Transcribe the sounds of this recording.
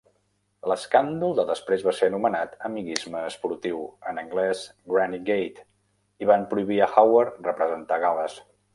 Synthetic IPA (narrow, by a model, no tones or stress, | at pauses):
ləskand̪ulˠd̪əðəspɾezβaseənumənat̪əmiɣizməːspuɾt̪iwənəŋɡlɛzɡɾaniɡejt̪ | iβampɾuiβiəxawəɾrəpɾəzənt̪aɣaləs